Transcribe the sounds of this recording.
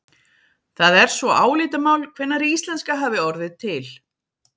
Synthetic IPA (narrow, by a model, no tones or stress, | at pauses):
θaðɛɾ̥svɔʔaːwliːt̪amaːwlkʰvɪnːaɾiist̪lɛnskaɦaːvɪɔɾðɪt̪ʰɪl